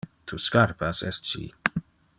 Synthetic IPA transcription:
t̪ʰuskaɾpasɛ̰stt͡ʃḭː

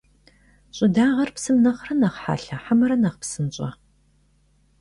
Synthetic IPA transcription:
ɕʼɪdaːʁɐrpsɨmnɐχrɐnɐχħa̰ːɬɐħamɐɾɐnɐʁpsɨnɕʼɐ̰

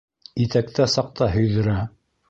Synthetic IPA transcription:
it̪æk̚t̪æsɑq̚t̪ɑɦɵ̆jðɵ̆ɾæ

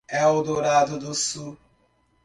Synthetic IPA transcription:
ɛʊdʊɾadʊdʊsu

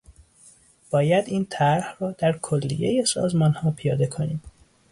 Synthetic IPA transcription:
b̥ɒːjæd̪iːnt̪ʰæɾhrɒːd̪̥æɾkʰolːḭjejesɒ̰ːzmɒːnhɒːpʰijɒːd̪e̞kʰoniːm

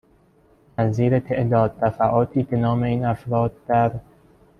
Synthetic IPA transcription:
næziːɾet̪ʰeʔd̪ɒːd̪̚ːæfæʔɒːt̪ʰiːbe̞nɒːme̞iːnæfɾɒːd̪̚ːæɾ

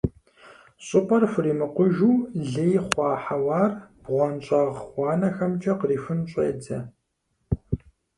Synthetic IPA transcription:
ɕʼɨpʼɐrfʷʊriːmɨqʷʊʒuːɮejχʷɑːħawaːrb̥ʁʷɔnɕʼɐʁʷɑːnɐxɐmt͡ʃʼɐqəriːfɨnɕʼḛːdʰɐ̰

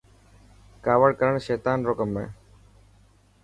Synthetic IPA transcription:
kaːʋəɽkɐɾəɳ̃ʃeːt̪aːnɾoːkəmːḛ̃ː

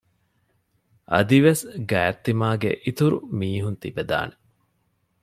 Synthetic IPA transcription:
ʔɐ̰d̪iʋesɡæːt̪ːimaːɡḛʔit̪uɾṵmiːɦunt̪ibed̪a̰ːne

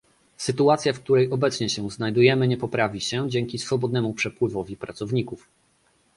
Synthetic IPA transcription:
sɘt̪uat̪sʲjafk̚t̪uɾɛjʔɔbɛt̪sɲɛɕɛznajd̪ujɛmɘɲɛpɔpɾavʲiɕɛd͡ʑɛŋkʲisfɔbɔd̪̚nɛmupʂɛpwɘvɔvʲipɾat̪sɔvɲikuf

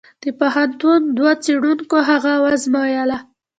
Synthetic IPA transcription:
d̪̥əpoɦant̪und̪wat͡seɽuŋkoɦaɣawazmɑjala

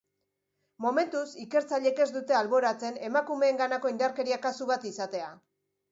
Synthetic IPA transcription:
mo̞me̞nt̪usike̞ɾt͡saʎe̞ke̞zd̪ut̪e̞alβo̞ɾat͡se̞ne̞makume̞ːŋɡanako̞ind̪aɾke̞ɾiakasuβat̪isat̪e̞a

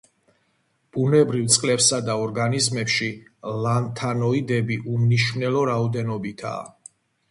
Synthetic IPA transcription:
b̥unɛbɾivt̪sʼqʼlɛpsad̪aɔɾɡanizmɛpʃilant̪ʰanɔid̪ɛbiʔumniʃnɛlɔɾaɔd̪ɛnɔbit̪ʰa̰ː

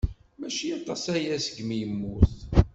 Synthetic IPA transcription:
mæʃijɑt̪ˤːɑsæjæsəɡmijəmːuθ

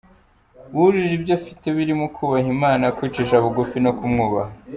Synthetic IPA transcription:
wuʒiʒibjofite̞βiɾimukʰuːβaɦimaːnakwiːt͡ʃiʃaβuɡufinokumŋuːβah

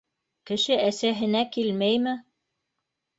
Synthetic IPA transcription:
kɘ̆ʃɘʔæsæɦɘ̆nækilmæjmɘ

